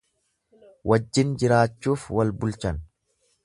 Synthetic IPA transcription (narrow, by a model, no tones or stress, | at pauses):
wʔɐd͡ʒːɪnd͡ʒɪɾaːt͡ʃːuːfwɐlbʊlt͡ʃɐn